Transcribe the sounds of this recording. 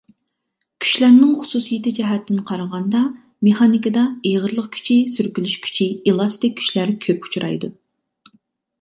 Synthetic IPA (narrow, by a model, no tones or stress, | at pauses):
kʲʰy̥ʃlæɾnɪŋχʊ̥susijet̪ɪd͡ʒɛɦɛt̪ːɪnqʰɑɾɑʁɑnd̪ɑ | meχɑnikəd̪ɑeʁəɾlˠəq̚kʲʰy̥t͡ʃʰisyɾkʲylyʃkʲʰy̥t͡ʃʰielˠɑst̪ɪk̚ʲʰːy̥ʃlæɾkʲʰøpu̥t͡ʃʰɾʔɑ̰jd̪u